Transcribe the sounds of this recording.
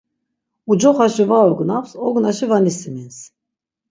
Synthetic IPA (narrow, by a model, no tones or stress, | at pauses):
ud͡ʒɔχaʃivaɔɡnawsɔɡnaʃivanisimins